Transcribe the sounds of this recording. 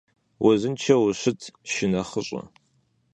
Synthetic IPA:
wʔɐzɨnt͡ʃʰɐwʊɕɪtʰʃɪnɐχəɕʼɐ̰

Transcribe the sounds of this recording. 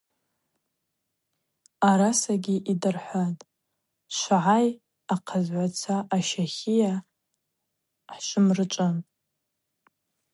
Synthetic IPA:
aɾasaɡʲiʔidɨrħʷatʼ | ʃʷʕaj | aqʰazʕʷat͡sʷʰaʔːʃaχʲija | ħʃʷɨmrɨt͡ʃʷʼɨ

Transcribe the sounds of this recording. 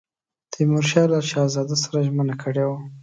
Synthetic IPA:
d̪̥əmʊɾʃɑlaʃɑːzɑd̪asaɾaʒmənakʰəɽewa

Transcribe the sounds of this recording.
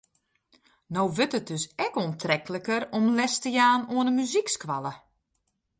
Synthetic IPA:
nowʋɵtət̚døsɛkoəntrɛkələkəɾɔmlɛstəjaːnoənəmyzikskʋalˠə

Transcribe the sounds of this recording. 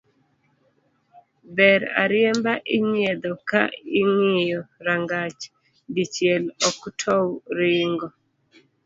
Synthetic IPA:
bɛɾa̰ɾjembaʔɪɲed̪ɔkaiŋɪjɔɾaŋɡat͡ʃ | dit͡ʃjelɔktʰɔwɾɪŋɡɔ

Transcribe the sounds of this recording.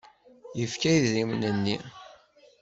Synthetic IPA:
jəfkæjððimnənːi

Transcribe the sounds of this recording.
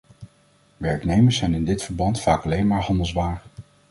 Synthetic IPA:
ʋɛɹknejməsɛjnɪndɪtfəɹbɑntfaːkɑlejnmaːɹɦɑndəlˠzʋaːɹ

